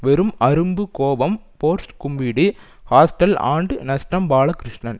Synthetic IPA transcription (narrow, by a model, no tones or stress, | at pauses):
ʋɛɾɯmɐɾɯmbɯkoːʋɐmpoːɾsʈkʊmbiːɽi | haːsʈɐla̰ːɳɖɯnɐsʈɐmbaːɭɐkɾɪʂɳɐn